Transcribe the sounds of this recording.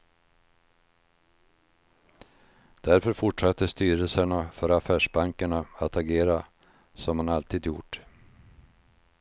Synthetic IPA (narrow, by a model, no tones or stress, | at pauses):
d̪̥æɾfœɾfʊʈʂat̪ːəst̪yːɾəlsəɳafœɾafæːʂbaŋkaɳaat̪ʰaɡeːɾa | sɔmhanalt̪ʰiːd̪jʊ̰ʈ